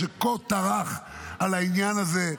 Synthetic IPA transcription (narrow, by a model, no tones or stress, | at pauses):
ekot̪aʁaχalainjanaze